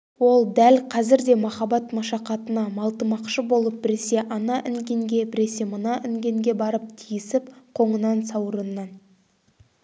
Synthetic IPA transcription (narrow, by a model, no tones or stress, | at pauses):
wo̞lˠd̪ælqʰɑzɪɾd̪e̞mɑχɑbɑt̪mɑʃɑqɑt̪ənɑmɑlˠt̪əmɑqʃəbo̞lˠəp̚bɪɾɪse̞ʔɑnɑʔɪŋɡʲe̞ŋɡʲe̞bɪɾe̞se̞mənɑʔɪŋɡʲe̞ŋɡʲe̞bɑɾəp̚t̪ʰijɪsɪpqʰo̞ɴənɑnsɑwɾənːɑn